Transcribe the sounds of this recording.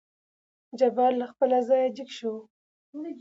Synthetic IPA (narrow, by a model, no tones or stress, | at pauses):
d͡ʒabɑlːaxpəlazɑjad͡ʒikʃo